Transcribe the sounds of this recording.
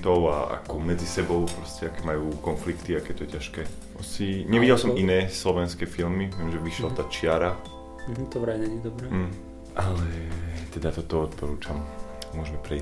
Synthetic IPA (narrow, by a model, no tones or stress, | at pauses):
t̪ɔʊa̰a̰kɔmɛd͡zisɛbɔʊpɾɔscɛakɛːmajuːkɔnflikt̪iakɛːt̪ɔɛcaʃkɛː | ɔsiɲɛʋiɟɛlsɔminɛːslɔʋɛnskɛːfilmiʋɪɛmʒɛʋiʃɛlt̪at͡ʃɪaɾa | t̪ɔʋɾaɲɛɲɛd̪ɔbɾɛ | ʔalɛt̪ɛd̪at̪ɔt̪ɔɔt̪pɔɾuːt͡ʃammʊɔʒɛmɛpɾɛi